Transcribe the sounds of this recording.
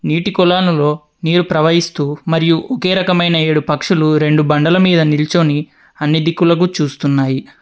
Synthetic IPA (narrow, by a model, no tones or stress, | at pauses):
niːʈikɔlaːnulo̞ː | niːɾupɾɐʋɐɦist̪uːmɐɾijuʔoke̞ːɾɐkɐmɐjnɐe̞ːɽupɐkʂuluɾe̞ɳɖubɐɳɖɐlɐmiːd̪ɐnilt͡ʃoːni | ɐnːid̪ikulɐk̬ut͡ʃuːst̪unːaːji